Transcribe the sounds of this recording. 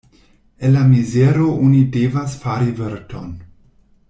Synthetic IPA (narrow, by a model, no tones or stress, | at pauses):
elamizeɾoʔonidevasfaɾiveɾton